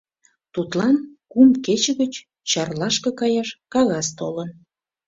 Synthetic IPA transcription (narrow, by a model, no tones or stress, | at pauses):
t̪ut̪lɑnkumket͡ɕəɣət͡ɕ | t͡ɕɑrlɑʃkɤkɑjɑʃkɑɣɑst̪olən